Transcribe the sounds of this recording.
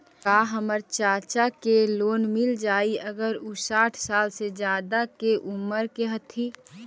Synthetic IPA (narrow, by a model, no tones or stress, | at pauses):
kaːɦəməɾt͡ʃaːt͡ʃakeloːnmɪld͡ʒaːiɐɡəɾusaːʈʰsaːlsed͡ʒjaːd̪akeʔʊməɾkeɦɐt̪ʰiː